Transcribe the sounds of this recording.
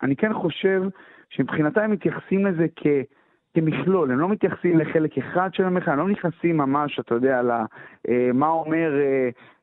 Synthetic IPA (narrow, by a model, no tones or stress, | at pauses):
ʔa̰nike̞nχo̞ʃe̞v | ʃemipχinat̪aemit̪jaχḁsimleze̞kʰe̞ | kemiχlo̞lemlo̞mit̪jaχsimleχe̞lekeχad̪ʃeemeχaemlomnjiχnasimːamaʃat̪ajod̪ealaʔemaome̞ʁe